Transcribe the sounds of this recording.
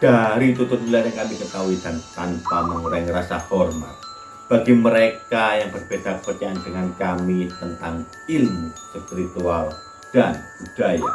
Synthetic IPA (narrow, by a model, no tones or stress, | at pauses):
d̥aɾit̪ut̪ʊt̪̚nilatjaŋkamikət̪aɦuid̥anp̪ant̪aməŋuɾaŋɾasahɔrma̰t̪̚ | b̥aɡiməɾekajaŋbərb̥edapəkərt͡ʃaandəŋankamit̪ənt̪aŋ | ilmusəpiɾit̪ual | d̥anb̥ud̥aja̰